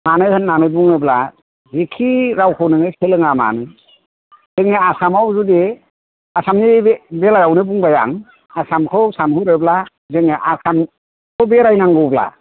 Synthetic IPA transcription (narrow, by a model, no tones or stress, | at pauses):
manɯhɯnːanɯbuŋɯbla | zekʰiɾawkʰɯwnɯŋɯsʰelɯŋama̰nɯ | zɯŋniasamawzude | asamnibelajawnɯbuŋbaja̰ŋ | asamkʰɯwsamhɯɾɯbla | zɯŋneʔasam | kʰɯwbeɾajnaŋɡɯbla̰